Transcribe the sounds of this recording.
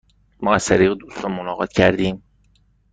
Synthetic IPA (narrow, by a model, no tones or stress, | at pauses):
mɒːæzt̪ʰæɾiːɣed̪uːst̪ɾɒmonɒːɢɒ̰ːt̪cʰæɾd̪iːm